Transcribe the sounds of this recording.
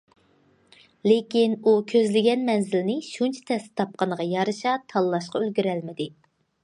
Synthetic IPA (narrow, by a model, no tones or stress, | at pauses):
lekʲinukʲʰøzlɪɡʲɛnmɛnzɪlnɪʃunt͡ʃʰɛ̥t̪ʰɛst̪ɪ̥t̪ʰɑp̚qɑnəʁɑjɑɾɨʃɑt̪ʰɑlˠːɑʃqɑølɡʲyɾɛlmɪd̪ɪ